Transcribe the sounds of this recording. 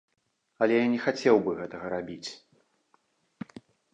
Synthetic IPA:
ɐlʲɛjanʲɛxat͡sʲɛwbɨɣɛt̪ɐɣɐɾabʲit͡sʲ

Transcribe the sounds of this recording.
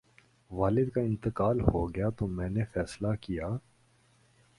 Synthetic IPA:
ʋaːlɪd̪kaɪ̃nt̪ɪqaːlhoɡɐjat̪omɛ̃ːnefɛːslakijaː

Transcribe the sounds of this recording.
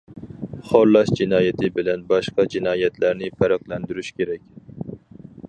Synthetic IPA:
χoɾlˠɑʃd͡ʒinɑːjɛt̪ʰɪbɪlɛnbɑʃqɑd͡ʒinɑːjɛt̪ʰlæɾnɪpʰæɾɑqlˠɛnd̪yɾyʃkʲʰeɾɛkʲ

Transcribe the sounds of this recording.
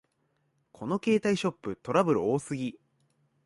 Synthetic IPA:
kʰo̞no̞ke̞ːt̪aiɕo̞pːɯ̟t̪o̞ɾabɯ̟ɾɯ̟oːsɨɡʲi

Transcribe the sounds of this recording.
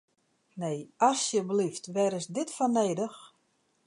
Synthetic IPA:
neːɔsjəbəliftʋɛɾɪsdɪtfɔneːdəx

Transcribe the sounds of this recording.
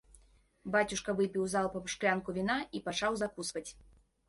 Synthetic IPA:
bat͡sʲuʂkɐvɨpʲiwzalˠpɐpʂklʲankuvʲinaipat͡ʂawzakusvɐt͡sʲ

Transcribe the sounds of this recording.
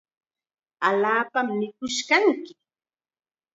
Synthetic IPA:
aʎaːpamnɪkʊʃkaŋkɪ

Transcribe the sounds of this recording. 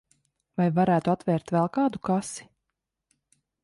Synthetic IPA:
vajvaɾæːt̪uat̪vɛːɾt̪vɛlˠkɑːd̪ukasi̥

